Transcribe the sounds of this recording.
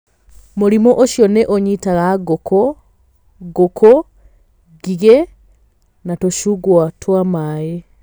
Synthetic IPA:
moɾimɔʔoʃjɔneʔoɲitaɣaɡokɔ | ɡokʰɔ | ɡiɡe | natoʃuɡwatwamaje

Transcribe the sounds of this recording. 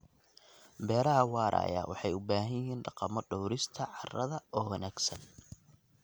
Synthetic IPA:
bɛːɾɐɦɐwɑːɾʔa̰ːja̰wɑ̰ħɑjʊbaːɦɐjɪɦiːnɖɑqɑmɔɖɔwɾɪst̪ʰɐʕɑrɐðɐɔːwɐnaːɡsɐn

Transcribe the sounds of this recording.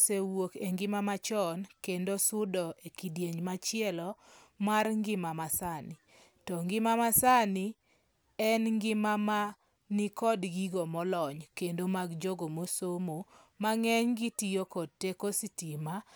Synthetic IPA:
sewokeŋɡɪmamat͡ʃɔnkendosʊdɔʔekidjeɲmat͡ʃɪɛlɔ | marŋɡɪmamasanɪ | tɔŋɡɪmamasanɪ | ɛnŋɡɪmama | nikɔdɡiɡomɔlɔɲkendomaɡd͡ʒoɡomosomomaŋɛɲɡitijokɔd̚tːekositima

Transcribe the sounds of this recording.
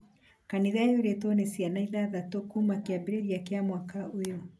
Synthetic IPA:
kaniðaeoɾetɔnesjanaiðaðatokumakeabeɾeɾiakeamwakaojo

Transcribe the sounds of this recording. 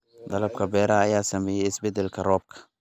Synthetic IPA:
d̪ɐlɐb̚kʰɐbɛːɾɐːjaːsɐmɛːjɛjɪsbɛd̪ɛlkʰɐrɔːb̚kʰɐ̥

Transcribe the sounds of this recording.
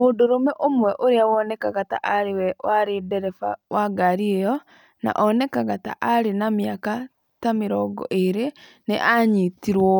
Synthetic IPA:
oːndoɾomɛʔomwɛʔoɾeawɔnɛkaɣata̰ʔaɾewɛwaɾedɛɾɛfa̰waɡaɾiejɔ | na̰ʔɔnɛkaɣata̰ʔaɾenamjaka | tameɾɔɡɔ̰ʔeɾe | neʔaɲitiɾwɔ

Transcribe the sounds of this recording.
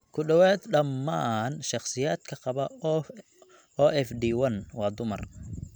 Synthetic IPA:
kʰʊɖɐwɛːd̪ɖɐmːaːnʃɑχsɪjaːd̪̥kʰɐqɑβɐ | ɔʔɛfdiːwɐnwɑːd̪ʊmɐ̰r

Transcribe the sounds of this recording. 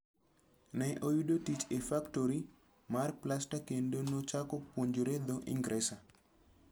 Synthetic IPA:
nɛʔojudotit͡ʃefaktoɾi | marplastakendonot͡ʃakɔpwoɲd͡ʒoɾed̪oʔḭŋɡɾɛsa

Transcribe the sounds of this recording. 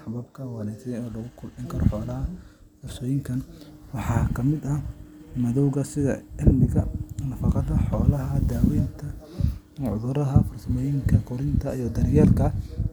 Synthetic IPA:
ħɑβɐbkʰɐwɑnɛsɐɔːlɐɣʊkʰʊlmɪŋkʰɐɾɔ̰ħɔːlɐɦɐ | fɐfsɔːjɪŋkʰɐnwɑħɑːkʰɐmɪd̪ɐmɐðɔwɣɐsɪðɐ̰ɪlmɪɣɐnɐfɑqɑðɐħɔːlɐɦɐd̪aːwɛːnt̪ʰɐ | ʕʊ̰ðʊɾɐɦɐfʊrsɐmɛjɪŋkʰɐkʰɔɾɪnt̪ʰɐijɔd̪ɐnɪjɛlkʰɐ

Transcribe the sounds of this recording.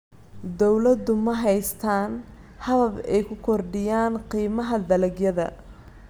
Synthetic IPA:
d̪ɔwlɐd̪ʊmɐɦɛjst̪ʰaːn | hɐðɐbɛjkʰʊkʰɔrɖɪjaːnqiːmɐɦɐd̪ɐlɐɡjɐðɐ̰

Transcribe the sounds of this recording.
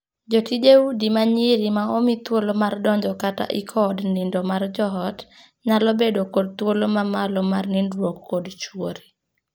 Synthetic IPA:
d͡ʒotid͡ʒeudimaɲiɾimaomit̪wolomardɔɲd͡ʒɔkata̰ʔɪkʰɔdnɪndɔmard͡ʒɔɦɔt | ɲalɔbedokod̚t̪wolomamalɔmarnɪndwokːodt͡ʃwoɾi

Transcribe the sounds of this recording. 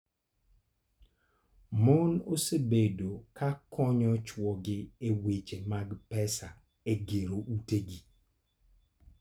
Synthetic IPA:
mɔnosebedokakʰɔɲɔt͡ʃwɔɡɪewet͡ʃemaɡpɛsa | eɡeɾoʔuteɡi

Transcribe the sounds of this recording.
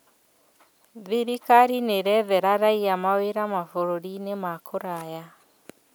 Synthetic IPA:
ðiɾikaɾineɾɛðɛɾaɾaiamaweɾamafoɾoɾinemakʰoɾaja

